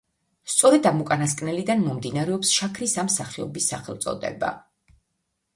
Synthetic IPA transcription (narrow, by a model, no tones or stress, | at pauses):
st̪sʼɔɾɛd̪amukʼanaskʼnɛlid̪anmɔmd̪inaɾɛɔpsʃakʰɾisamsaχiɔ̰bisːaχɛlˠt̪sʼɔ̰d̪ɛ̰ba̰